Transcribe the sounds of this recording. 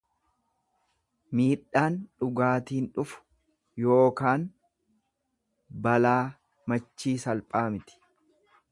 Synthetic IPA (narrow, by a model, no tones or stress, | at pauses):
miːᶑaːnᶑʊɡaːt̪iːnᶑʊfʊ̥ | jo̞ːkaːn | bɐlaː | mɐt͡ʃːiːsɐlpʼaːmɪt̪ɪ̥